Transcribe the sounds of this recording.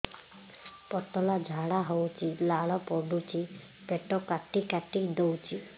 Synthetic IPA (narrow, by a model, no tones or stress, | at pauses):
pɔt̪ɔlad͡ʒʱaɽaɦowt͡ʃʰilaɭɔpɔɖ̪ut͡ʃʰi | beʈɔkaʈikaʈid̪owt͡ʃʰi